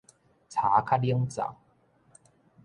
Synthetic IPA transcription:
t͡sʰaː˨˦kʰa˦˥li˦əŋt͡sa̰˨˩˦ŋ

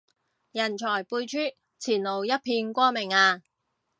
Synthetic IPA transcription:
jɐ˨˩nt͡ʃʰɔː˨˩jpuː˧jt͡ʃʰyː˥ | t͡sʰiː˨˩nlo˨˩wjɐ˥t̚pʰiː˧nkʷɔː˥mɪ˨˩ŋaː˧

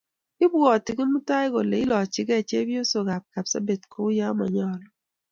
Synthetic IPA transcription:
ɪ˦bɔ˨tɪ˨kɪ˦nmu˦ta˦ɪ˦ɡɔ˨le˨˦ɪ˦lɔ˨t͡ʃɪ˦ɡɛ˦˨t͡ʃe˦bji˦o˦so˨ɡa˨p̚ka˨bsa̰˦be˨tko˦ja˦ma̰˨ɲɔ˦lɔ˨

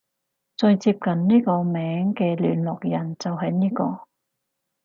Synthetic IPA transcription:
t͡sɵ˧ɥt͡siː˧p̚kɐ˨nniː˥kɔː˧mɛː˨˥ŋkɛː˧ly̰ː˨˩nlɔ˨k̚jɐ˨˩nt͡sɐ˨wɦɐ˨jniː˥kɔː˧

